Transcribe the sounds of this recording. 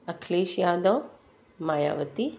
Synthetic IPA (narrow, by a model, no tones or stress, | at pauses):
ɐkʰleːʃjad̪ɔ | maja̰ʋət̪i